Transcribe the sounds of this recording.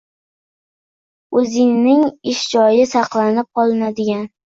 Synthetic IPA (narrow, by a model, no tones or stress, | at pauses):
ɵzɪŋnɪŋɪʃd͡ʒɒjɪsɑqlˠanɪp̚qɒlˠɪnad̪ɪɡʲan